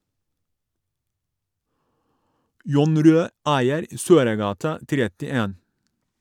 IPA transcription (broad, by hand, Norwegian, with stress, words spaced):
ˈjʊn ˈɾøː ˈæɪəɾ ə ˈsøːɾəˌɡɑːtɑ ˈtɾɛtɪˌeːn